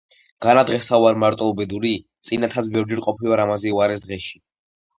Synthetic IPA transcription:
ɡ̥anad̪ʁɛsauaɾmaɾt̪ʼɔubɛd̪uɾit̪sʼinat̪ʰat̪sʰbɛvɾd͡ʒɛɾqʼɔpʰivaɾamazɛuaɾɛs̬d̪ʁɛʃi̥

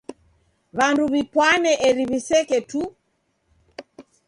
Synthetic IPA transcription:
βanduβipwanɛʔɛɾiβisɛkɛtu

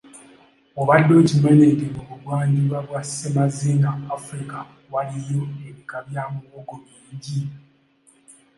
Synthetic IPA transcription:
oβadːo̞cime̞nedemuβuβwaːɲɟiβwaβwasemazinaːfɾika | walijoeβikaβjamoːɡomiːɲɟi

